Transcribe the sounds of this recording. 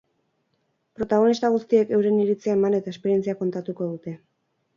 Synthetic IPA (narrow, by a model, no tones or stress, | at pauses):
pɾo̞t̪aɣ̞o̞nist̪aɣ̞ust̪ie̞ke̞wɾe̞niɾit͡siaemane̞t̪ae̞speɾie̞nt͡siako̞nt̪at̪uko̞ðut̪e̞